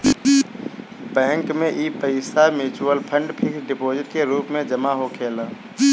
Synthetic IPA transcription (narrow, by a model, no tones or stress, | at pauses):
bɛ̃ːŋkmẽʔiːpəɪsamɪt͡ʃʊwəlpʰə̃ɳɖpʰɪksɖɪpoːzɪʈ̚keɾuːpmẽd͡ʒəmaɦokʰeːlaː